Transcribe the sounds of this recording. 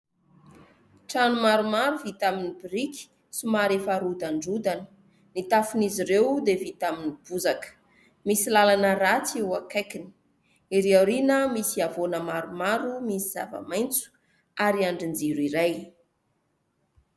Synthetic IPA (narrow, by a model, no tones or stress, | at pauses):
ʈ͡ʂanumaɾumaɾuvit̪aminibiɾikʲi̥ | sumaɾefaɾud̪aɳɖ͡ʐud̪anə̥ | nit̪afuniziɾewd̪evit̪aminib̥uzakə̥ | misilalanəɾat͡sewakajkini̥ | iɾiawɾinəmisiavonəmaɾumaɾumisiz̥a̰və̰majnt͡su̥ | aɾiaɳɖ͡ʐind͡ziɾiɾaj